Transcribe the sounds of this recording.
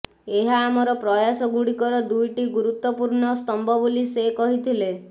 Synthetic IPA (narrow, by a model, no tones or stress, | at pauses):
eɦaːmɔɾɔpɾɔjasɔɡuɽikɔɾɔd̪ujʈiɡuɾut̪wɔpuɾɳɔst̪ɔmbʱɔbulisekɔɦit̪ʰile